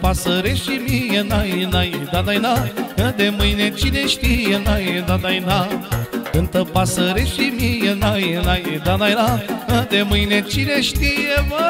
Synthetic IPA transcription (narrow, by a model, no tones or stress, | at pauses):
pasəɾeʃimijenajenajed̪ad̪ajnaəd̪eməjnet͡ɕineʃt̪ijenajed̪ad̪ajna | ənt̪əpasəɾeʃimijenajenajed̪anajnaəd̪eməinẽt͡ʃineʃt̪ijeʋə